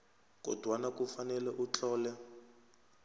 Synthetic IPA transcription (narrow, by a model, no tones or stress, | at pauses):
k̬ʼɔ̰d̥ʱwanakufanɛlɛʔut͡ɬʼɔːlɛ